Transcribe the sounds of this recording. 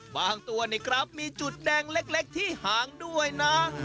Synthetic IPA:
baː˧ŋt̪u˧ɐniː˦˥˩kʰɾa˦˥p̚miː˧t͡ɕu˨˩t̪̚dɛː˧ŋle˦˥k̚le˦˥k̚t̪ʰiː˥˩haː˩˦ŋdu˥˩əjna˦˥

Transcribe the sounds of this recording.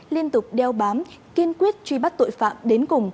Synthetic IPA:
li˧ənt̪ʊ˨˩k͡p̚ɗɛ˧wɓaː˨˦mki˧ənkwi˦˥ət̚t͡ɕwi˧ɓa˦˥t̚t̪o̰˧˨jfa̰ː˧˨mɗe˨˦nkʊ˨˩ŋ͡m

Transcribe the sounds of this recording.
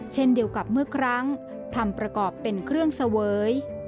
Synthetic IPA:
t͡ɕʰe˥˩ndi˧əwka˨˩p̚mɯ˥˩əkʰɾa˦˥ŋ | t̪ʰa˧˩mpɾa˧kɔː˨˩pːe˧nkʰɾɯ˥˩əŋsa˧wɤː˨˦˥j

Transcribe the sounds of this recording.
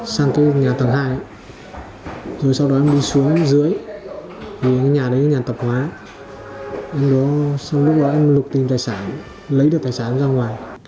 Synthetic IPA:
saː˧ŋkaː˨˦jɲaː˨˩t̪ʰa˨˦ŋɦaː˧j | zo˨˩jsa˧wɗɔ˨˦ʔɛ˧mɗi˧su˨˦əŋzɨ˨˦əj | vʰi˨˩˨ɲaː˨˩ɗə˨˦ja˧˦ɲaː˨˩t̪ə˨˩p̚hwaː˨˦ | ʔɛ˧mɗɔ˨˦sa˧wlʊ˦˥k͡p̚ɗɔ˨˦ʔɛ˧mlʊ˨˩k͡p̚t̪i˨˩mt̪aː˨˩jsaː˧˩n | lə˨˦jɗɨ˨˩ət̪aː˨˩saː˧˩˨zaː˧ŋwaː˨˩j

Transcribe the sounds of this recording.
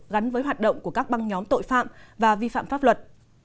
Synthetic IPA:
ɣa˨˦nvəː˨˦jɦwaː˨˩t̚ɗə̰˧˨wŋ͡mku˧˩əkaː˦˥k̚ɓa˧ŋɲɔ˨˦mt̪o̰˧˨jfa̰ː˧˨mvaː˨˩vi˧fa̰ː˧˨mfaː˦˥p̚lwə˨˩t̚

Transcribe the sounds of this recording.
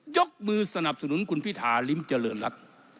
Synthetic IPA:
jo˦˥k̚mɯː˧sa˧na˨˩p̚sa˧nu˩˦nkʰu˧npʰi˦˥˩t̪ʰaː˩˦li˦˥mt͡ɕa˧lɤː˧nɾa˦˥t̪̚

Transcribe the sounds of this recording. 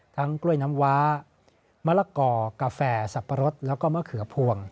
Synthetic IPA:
t̪ʰa˦˥ŋklu˥˩əjna˦˥mwaː˦˥ | ma˦˥˩laː˧˩kɔː˧˩kaː˧fɛː˧˩sa˨˩pʰːa˧ɾo˦˥t̪̚lɛː˦˥wkɔː˥˩ma˥˩kʰɯ˩˦pʰu˧əŋ

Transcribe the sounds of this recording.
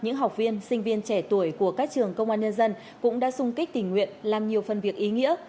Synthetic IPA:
ɲɨ̰˧˥ŋɦa˨˩wk͡p̚vi˧ənsï˧ŋ̟vi˧ənt͡ɕɛ˧˩t̪u˧˩əjku˧˩əkaː˦˥k̚t͡ɕɨ˨˩əŋkə˧wŋ͡mʔaː˧nɲə˧nzə˧n | kʊ̰˧˥ŋ͡mɗa̰ː˧˥sʊ˧ŋ͡mki˦˥k̟̚t̪ï˧˩ŋ̟ŋwḭ˧˨ənlaː˨˩mɲi˨˩əwfə˨˩nvi˨˩ək̚ʔi˨˦ŋḭ˧˥ə

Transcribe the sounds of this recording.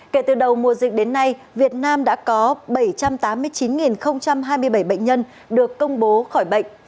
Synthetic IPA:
ke˧˩t̪ɨ˨˩ɗə˨˩wmu˨˩əzï˨˩k̟̚ɗe˨˦nːa˧j | vi˨˩ət̚naː˧mɗa̰ː˧˥kɔ˨˦ɓə˧˩jt͡ɕa˧mt̪aː˨˦mːɨ˧əjt͡ɕi˨˦nŋi˨˩nxə˧wŋ͡mt͡ɕa˧mɦaː˧jmɨ˧əjɓə˧˩jɓə̰˧˨ŋ̟ɲə˧n | ɗɨ˨˩əkːə˧wŋ͡mɓo˨˦xɔ˧˩jɓə̰˧˨ŋ̟

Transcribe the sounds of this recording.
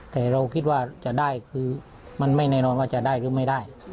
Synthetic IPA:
t̪ɛː˨˩ɾa˧wkʰi˧˥t̪̚waː˧˥˩t͡ɕa˨˩ʔdaː˥˩jkʰɯː˧ | ma˧˨nma˥˩jnɛː˧˩nɔː˧nwaː˧˥˩t͡ɕa˨ʔdaː˥˩jɾɯː˨˦ma˥˩jda˥˩j

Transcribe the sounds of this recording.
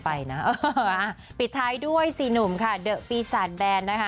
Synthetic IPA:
pa˧jna˦˥ʔɤː˧ʔa˧˩pi˨˩t̪ʰːaː˧jdu˥˩əjsiː˨˩nu˨˩mkʰa˥˩dɤ˨˩ʔpiː˧saː˨˩t̪̚bɛː˧nːa˦˥kʰa˦˥

